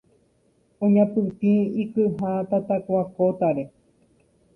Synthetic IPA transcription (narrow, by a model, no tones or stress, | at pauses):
õɲãpɨt̪ĩikɨɦat̪at̪akʷakot̪aɾe̞